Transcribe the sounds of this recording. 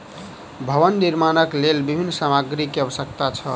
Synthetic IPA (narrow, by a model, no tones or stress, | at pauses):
bʱəβənːiɾmanəklelbibʱinːsamaɡɾikeəbəsəkt̪at͡ʃʰʌ